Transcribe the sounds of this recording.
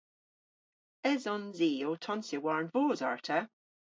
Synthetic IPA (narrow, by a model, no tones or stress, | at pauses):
ɛzɔnziːotʰɔnsɪwaɹnvoːza̰ɹtʰə